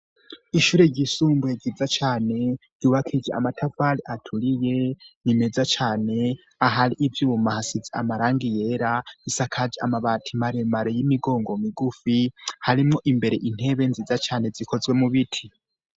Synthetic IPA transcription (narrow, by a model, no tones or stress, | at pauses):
iʃuːɾe̞ɾɟisuːmbueɟizat͡ʃaːne̞ɾ̥uːβakʰid͡ʒea̰matʰavaɾiʔatʰuɾije̞nime̞d͡zat͡ʃaːne̞ | aɦaɾiʔivjuːmahasizea̰maɾaːŋɡije̞ɾaisakʰad͡ʒea̰maβatʰimaɾemaɾejimiɡo̞ːŋɡo̞miɡufihaɾimŋo̞ʔimbe̞ɾe̞ʔin̥e̞βe̞nzizat͡ʃaːne̞ziko̞zwe̞muβitʰi